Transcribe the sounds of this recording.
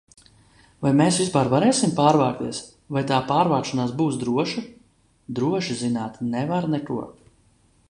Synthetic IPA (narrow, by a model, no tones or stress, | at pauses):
vajmeːsvispaɾvaɾɛːsimpaːɾvaːk̚t̪iɛs | vajt̪aːpaːɾvaːkʃanaːsbuːsd̪ɾuɔʃi | d̪ɾuɔʃizinaːt̪nɛvaɾnɛkuɔ